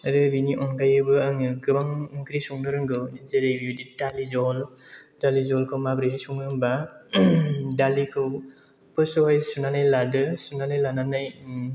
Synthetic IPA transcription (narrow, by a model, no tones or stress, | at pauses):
ɾɯbiniʔɔŋkʰajɯbɯaŋɯɡɯbaŋŋkɾisuŋnɯɾɯŋɡɯwzeɾajbudidalizɔldalizɔlkʰɯwmabɾiɦajsuŋnɯɾɯŋba | dalikʰɯw | pɯsoɦɔjsunanajladɯsunanajlananaj